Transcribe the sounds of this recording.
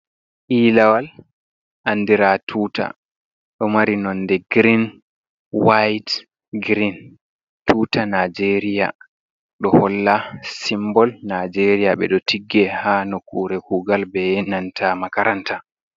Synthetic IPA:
ʔiːlawal | ʔanːdiɾatʰuːta̰ | ɗɔmaɾinɔndɛɡɾin | wajt | ɡɾin | tuːtanad͡ʒeɾija̰ | ɗɔhɔlːasimbɔlnad͡ʒeɾijaɓɛ̰ɗɔtʰiɡːɛhaːnɔkuːɾɛkuɡalbɛnantʰamakaɾanta

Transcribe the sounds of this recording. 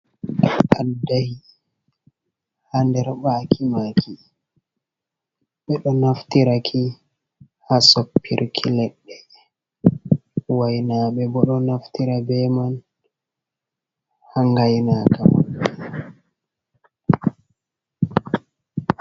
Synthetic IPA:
ʔadahi | handɛɾɓaːkʰimakʰi | ɓɛɗɔnaftiɾakʰi | hasopʰːḭɾkʰilɛɗːɛ | wajnaːɓɛbɔɗɔnaftiɾabɛman | haŋɡajnakawa̰

